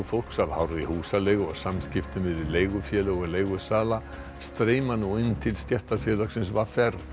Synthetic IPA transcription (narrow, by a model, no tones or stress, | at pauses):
fowlksavhawɾʏðihuːsaleːjɣʏɔsamscɪft̪ʏmɪðɪleːjɣʏfjɛlʏɣɔɣleːjɣʏsaːla | st̪ɾeːjmanuɪnːt̪ʰɪlst̪jɛht̪aɾfjɛlœksɪnsvaɾfɛɾ